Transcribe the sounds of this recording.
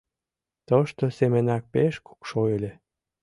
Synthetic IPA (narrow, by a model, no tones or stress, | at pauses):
t̪əʃt̪osemenɑk̚peʃku̥kʃojelʲe